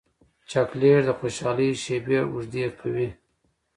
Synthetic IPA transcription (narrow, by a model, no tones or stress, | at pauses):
t͡ʃakleɾd̪əxoʃɑːliʃebeɾuʐd̪eɾpʰawi